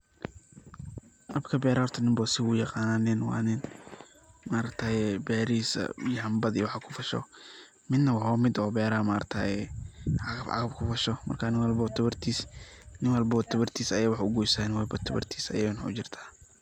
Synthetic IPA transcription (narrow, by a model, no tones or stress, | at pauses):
ʔɐbkʰɐbɛːɾɐhɔrt̪ʰɐnɪmbɔsɪʊjɑqɑːnaːnɪnwɑ̰nɪn | maːɾɐkt̪ʰaɛbɛːɾisɐ̰jɐɐmbɐd̪iwɑħakʰʊfɐʃɔ̰ | mɪd̪nɐwɑħɔːmɪd̪ɔːbɛːɾaːmaːɾɐ̰kt̪ʰajɛɑɣɐbʔɑ̰ɣɐbkʰʊfɐʃɔmɐ̰rkʰaːnɪnwɐlbɐt̪ʰʊβɐrt̪ʰisnɪnwɐlbɐɔt̪ʰɐβɐrt̪ʰiːsɐjaːwɑħʊɡujsaːnɪwɐlbɐt̪ʰɐbɐ̰rt̪ʰiːsɐ̰jɐnʊt͡ʃɪrt̪ʰḁː